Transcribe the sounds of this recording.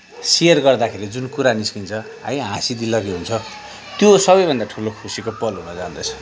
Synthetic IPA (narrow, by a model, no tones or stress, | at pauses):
sijʌrɡʌrd̪akʰeɾid͡zunkuɾaniskint͡sʰʌ | ãjɦãsid̪ilʌɡiɦunt͡sʰʌ | t̪josʌbʌjbʱʌnd̪aʈʰulokʰusikopʌlɦunʌd͡zaũnd̪ʌt͡sʰʌ̥